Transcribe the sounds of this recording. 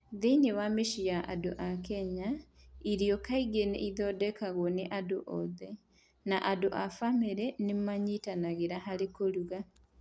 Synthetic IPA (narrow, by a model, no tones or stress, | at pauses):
ðeinewameʃijaʔadoʔakɛɲa | iɾiɔkaiɣenḛʔiðɔːdɛkaɣwɔneʔadoʔɔðɛ | naʔadoʔafameɾɛnemaɲitanaɣeɾaɦaɾekoɾuɣa